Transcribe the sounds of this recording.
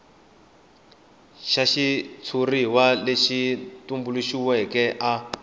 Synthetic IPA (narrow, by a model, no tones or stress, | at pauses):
ʃaʃit͡sʰuriwaleʃitumbuluʃiwɛkɛʔa